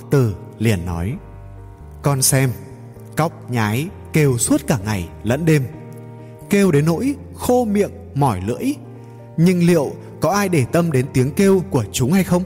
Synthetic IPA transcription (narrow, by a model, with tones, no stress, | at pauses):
t̪ɨ˧˩ | li˨˩ənːɔ̰˨˦j | kɔ˧nsɛ˧m | kɔ˦˥wk͡p̚ɲaː˨˦j | ke˧wsu˦˥t̚kaː˧˩ŋa˨˩jlə̰˧˥nɗe˧m | ke˧wɗe˨˦nːo̰˧˥j | xo˧mḭ˧˨əŋ | mɔ˧˩jlɨ̰˧˥əj | ɲɨ˧ŋlḭ˧˨əw | kɔ˨˦ʔaː˧jɗe˧˩t̪ə˧mɗe˨˦nt̪i˨˦əŋke˧wku˧˩ət͡ɕʊ˨˦ŋ͡mha˧jxə˧wŋ͡m